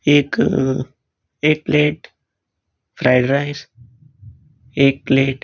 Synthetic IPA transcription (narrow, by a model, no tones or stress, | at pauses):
eːk | eːk̚pleːʈ | fʰɾaɪɖɾaɪs | eːk̚pleːʈ